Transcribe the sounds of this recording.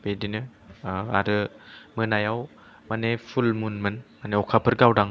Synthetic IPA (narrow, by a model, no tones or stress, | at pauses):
bedinɯ | a̰ɾɯmɯnajaw | manepʰulmunmɯnmaneɔkʰapʰɯɾɡawdaŋ